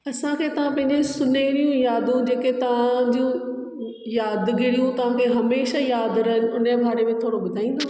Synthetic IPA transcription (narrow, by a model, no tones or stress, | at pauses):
ɐsãkʰeːt̪ɐʋ̤ãpɐ̃ɦɪ̃ɲd͡ʑesʊneɽijũjaːd̪ũd͡ʑeːket̪ɐʋ̤ãd͡ʑũ | jaːd̪ɡɪɽijũt̪ɐʋ̤ãkʰeɦɐmeːʃajaːd̪ɾɐɦɪn̆ʊnəbʱaːɾemẽt̪ʰoːɽoɓʊd̪ʱaːĩːn̆d̪o